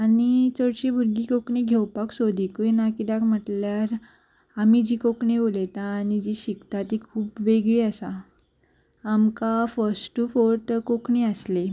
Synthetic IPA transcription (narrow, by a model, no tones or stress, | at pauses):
añit͡səɽt͡ɕebʱuɾɡikokɳiɡʱewpaksod̪ikuinakid̪akm̤əʈljaɾ | amid͡ʑiːkokɳeolet̪aːñid͡ʑiɕikt̪at̪ikʰuːpʋeɡɭiːəsa | amkafəɾsʈːufoɾt̪kokɳeəsle